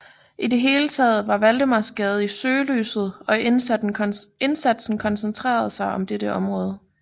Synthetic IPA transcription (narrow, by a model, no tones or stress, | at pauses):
ʔide̝ɦe̝ːlət͡sʰɛ̰ːð̞̩ˠʋɑ̈ʋæld̥əmɑ̈sɡ̥ɛːð̞̩ˠisøːly̰ːsð̞̩ˠɒ̽n | e̝nsæd̥sn̩kʰɒ̽nsent͡sʰʁɛ̰ːɐð̞̩ˠsɑ̈ɪɒ̽md̥eɾəʔɒ̽mʁɔ̽ːð̞ˠə